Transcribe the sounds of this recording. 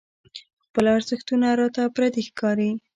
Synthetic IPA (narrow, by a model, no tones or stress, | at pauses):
xpəlaɾzɪxt̪unaɾɑt̪apɾad̪exkɑɾi